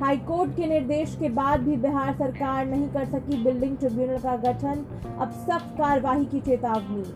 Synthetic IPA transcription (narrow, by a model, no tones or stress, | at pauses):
ɦhaːikoːɾʈkenɪɾd̪eːʃkebaːd̪̚bʱibeɦaːɾsɐɾkaːɾnɐɦĩkɐɾsɐkibɪlɖɪ̃ŋɡ̚ʈɾɪbjunəlkaɡɐʈʰən | ɐ̰bsəb̚kaːɾəʋaːɦikit͡ʃeːt̪aːʋmi